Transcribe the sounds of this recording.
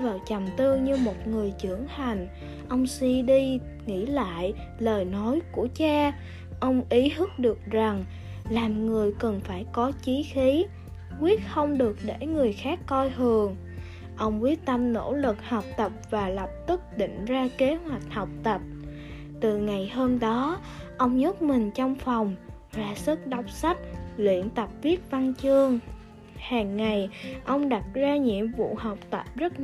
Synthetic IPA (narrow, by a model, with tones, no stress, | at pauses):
vaː˨˩wt͡ɕə˨˩mt̪ɨ˧ɲɨ˧mo˨˩t̚ŋɨ˨˩əjt͡ɕɨ̰˧˩əŋha˨˩jŋ̟ | ʔə˧wŋ͡msi˧ɗi˧ | ŋḭ˧˥la̰ː˧˨j | ləː˨˩jnɔ˨˦jku˧˩ət͡ɕaː˧ | ʔə˧wŋ͡mʔi˨˦hɨ˦˥k̚ɗɨ˨˩ək̚za˨˩ŋ | laː˨˩mŋɨ˨˩əjkə˨˩nfaː˧˩jkɔ˨˦t͡ɕi˨˦xi˨˦ | kwi˦˥ət̚xə˧wŋ͡mɗɨ˨˩ək̚ɗe˧˩ŋɨ˨˩əjxaː˦˥kːɔ˧jɦɨ˨˩əŋ | ʔə˧wŋ͡mkwi˦˥ək̚t̪ə˧mno̰˧˥lɨ˨˩k̚hə˨˩wk͡p̚t̪ə˨˩p̚vaː˨˩lə˨˩p̚t̪ɨ˦˥k̚ɗḭ̈˧˨ŋ̟zaː˧ke˨˦ɦwa˨˩jk̟̚hə˨˩wk͡p̚t̪ə˨˩p̚ | t̪ɨ˨˩ŋa˨˩jhəː˧mɗɔ˨˦ | ʔə˧wŋ͡mɲo˦˥t̚mï˨˩ŋ̟t͡ɕɔ˧wŋ͡mfa˨˩wŋ͡m | vaː˧˨˩sɨ˦˥t̚ɗə˨˦wk͡p̚sa˦˥jk̟̚lḭ˧˨ənt̪ə˨˩p̚vi˦˥ət̚va˧ŋt͡ɕɨ˧əŋ | haː˨˩ŋːa˨˩jʔə˧wŋ͡mɗa˨˩t̚zaː˧ɲḭ˧˨əmvṵ˧˨ha˨˩wk͡p̚t̪ə̰˨˩p̚zə˦˥t̚